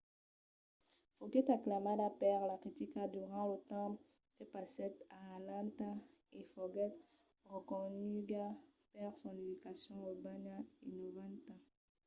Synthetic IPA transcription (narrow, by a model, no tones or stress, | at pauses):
foɡɛt̪aklamadapɛʁlakχit̪ikad̪yʁɑ̃lət̪ɑ̃ | kepasɛt̪aalãnt̪a | efɔɡɛt̪ | ʁəkɔnyɡapɛʁsɔ̃nidikasjɔ̃obanaḭnovãt̪a